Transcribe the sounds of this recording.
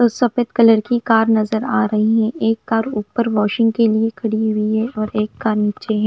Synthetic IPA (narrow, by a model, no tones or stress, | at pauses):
t̪osɐpeːt̪kɐləɾkikaːɾnɐzəɾaːɾɐɦiɦɛ̃ʔeːkːaːɾuːpəɾʋɔːʃɪ̃ŋɡ̚keliekʰɐɽiɦʊiɦɛɔːɾeːkːaːɾniːt͡ʃeɦɛ̃ː